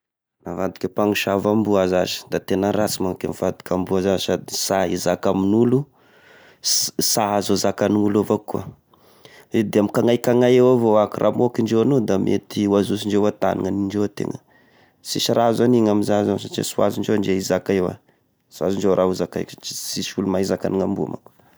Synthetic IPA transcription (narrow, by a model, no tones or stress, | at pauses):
navad̪i̥kʲepaŋuʃavambuazazi̥d̪at̪enəɾasimakemifad̪i̥kʲambuazazsad̪isaizakaminulu | saɦazozakaniŋulovakua̰ | ed̪eamikaŋajkaŋajewavoakirʔa̰mokinɳd͡ʒewanod̪amʔḛt̪iwazus̬iɳd͡ʒewat̪a̰nḭŋaniɳɖ͡ʐewt̪ḛŋə | siʃaɾazaniŋamizazansat͡ʃḭsuaziɳd͡ʒeɳd͡ʒeizakaewa̰ | suaziɳɖ͡ʐeowɾʔauzakajki̥siʃulumaizakaniŋambua̰ma̰ku